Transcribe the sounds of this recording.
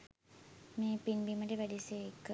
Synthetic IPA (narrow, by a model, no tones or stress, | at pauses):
meːpinbiməʈeʋæɖisekːə